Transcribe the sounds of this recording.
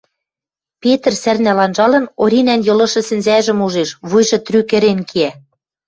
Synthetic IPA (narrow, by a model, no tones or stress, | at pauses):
pet̪rsærnælɑnʒɑlɤ̆noɾʲinænjɤ̆lɤ̆ʃɤ̆sɘ̆nzæʒɘ̆muʒeʃβujʒɤ̆t̪rykɘ̆ɾenkʰiæ